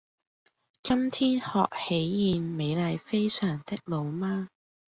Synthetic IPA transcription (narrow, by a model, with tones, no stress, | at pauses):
kɐ˥mt̪ʰiː˥nhɔː˨k̚he˨˥jːiː˨nme˨˧jlɐ˨˧jfe˥jsœː˨˩ŋt̪ɪ˥k̚lo˨˧wmaː˥